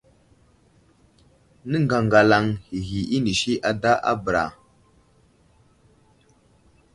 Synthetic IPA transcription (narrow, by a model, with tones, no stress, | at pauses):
nə˦ŋɡa˨ŋɡa˨la˨ŋhi˨ɦi˨i˦ni˨ʃi˦ʔa˨da˦ʔa̰˦bə˨ɾa̰˨